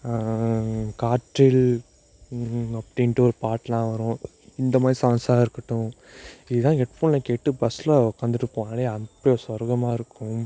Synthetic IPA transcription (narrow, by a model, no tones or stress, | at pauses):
kaːʈɾɪl | ɐpːɐɽɪnʈːɯɔɾɯpaːʈːlãːʋɐɾʊ̃ | ɪnd̪ɐmaːd̪ɾisãːnsaːɪɾɯkːɐʈːʊ̃ | ɪðɯt̪ãːɡɛʈfuːlnɐkeːʈːɯbɐslɐkɐnd̪ɯʈːɯkːʊ̃aːleɐnpːjɔɾsʋɔɾɡɐmaːɪɾɯkːʊ̃